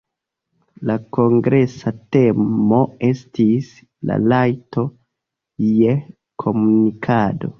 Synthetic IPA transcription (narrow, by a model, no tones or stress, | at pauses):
lako̞ŋɡɾe̞sate̞mmo̞e̞stis | la̰lajto̞ | je̞ | kʰo̞munikʰado̞̰